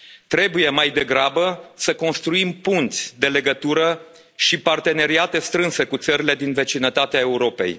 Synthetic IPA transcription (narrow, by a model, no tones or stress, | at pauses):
t̪ɾe̞buje̞majd̪e̞ɡɾabəsəko̞nst̪ɾuimpunt̪sʲd̪e̞le̞ɡət̪uɾə | ʃipart̪e̞ne̞ɾiat̪e̞st̪ɾɨnse̞kut̪səɾile̞d̪inve̞t͡ʃinət̪at̪eae̞uɾo̞pe̞̰j